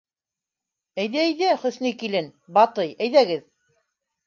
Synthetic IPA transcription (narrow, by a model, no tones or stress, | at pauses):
æjðæjðæχɵ̆θnikilɘnbɑt̪ɤjæjðæɡɘð